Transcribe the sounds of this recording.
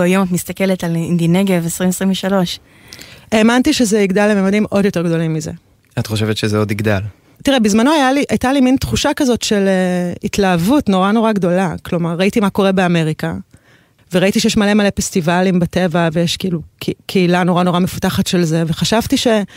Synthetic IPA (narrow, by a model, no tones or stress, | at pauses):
ajomatmist̪akeletalind̪ineɡavesʁimesʁimveʃalo̞ʃ | eːmantiʃezeiɡdalːememadimʔo̞djote̞ʁɡdo̞limːizḛ | at̪χo̞ʃevetʃezeo̞d̪iɡdal | tiʁebizmanoajaliʔajtalimintχuʃakazo̞tʃe̞leitlaːvutno̞ʁano̞ʁaɡdo̞laklo̞maʁːaitimako̞ʁe̞beame̞ʁika | veʁaitiʃejeʃmale̞male̞festivalimbate̞vavejeʃkiilukʰkʰeilano̞ʁano̞ʁamefu̥taχatʃelzeveχaʃavtiʃe̞